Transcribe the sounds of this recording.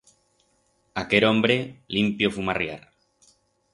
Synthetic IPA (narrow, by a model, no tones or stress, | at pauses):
akeɾõmbɾelimpjofumarja̰ɾ